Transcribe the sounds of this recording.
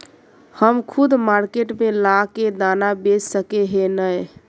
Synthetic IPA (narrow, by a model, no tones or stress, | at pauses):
həmkʰud̪maɾkeʈmelaked̪anabessəkeɦenəj